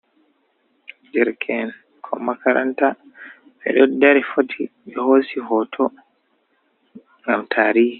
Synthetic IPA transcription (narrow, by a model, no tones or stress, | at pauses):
d͡ʒɛɾkʰɛn | kʰɔmakaɾa̰nta | ɓɛ̰ɗɔdːaɾɛfotʰiɓɛhoːsihɔtʰɔ | ŋɡamtʰaːɾiːhi